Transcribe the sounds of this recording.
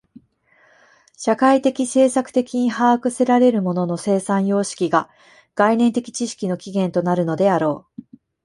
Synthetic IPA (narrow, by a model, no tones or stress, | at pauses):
ɕakait̪e̞kʲise̞ːsakɯ̟̥t̪e̞kʲiɲ̟ihaːkɯ̟se̞ɾaɾe̞ɾɯ̟mo̞no̞no̞se̞ːsãɰ̃jo̞ːɕi̥kʲiɡa | ɡ̥ainẽ̞nt̪e̞kʲi̥t͡ɕiɕi̥kʲino̞kʲiɡẽ̞nt̪o̞naɾɯ̟no̞d̪e̞aɾo̞ː